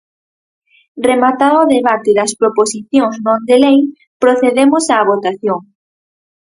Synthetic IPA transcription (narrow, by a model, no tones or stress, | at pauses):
remat̪aɾoðeβat̪ɪðɐspɾoposiθjoŋznõnd̪elej | pɾoθeðemosaːβ̞ot̪aθjoŋ